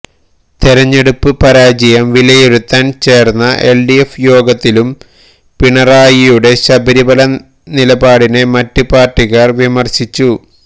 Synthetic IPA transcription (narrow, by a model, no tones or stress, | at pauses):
t̪iɾɐɲːe̞ɽupːɨpɐɾaːd͡ʑijɐmʋilɐjeɾut̪ːaːnt͡ɕe̞ːrnːɐʔe̞lɖiefjo̞ːɡɐt̪ːilum | piɳɐraːjijuɽe̞ɕɐbɐɾibɐlɐ | nilɐbaːɽine̞mɐtːupaːrʈːiɣarʋimɐrɕit͡ɕːu